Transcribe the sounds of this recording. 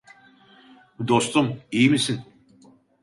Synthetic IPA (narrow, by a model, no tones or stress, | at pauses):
bud̪ost̪umijimisin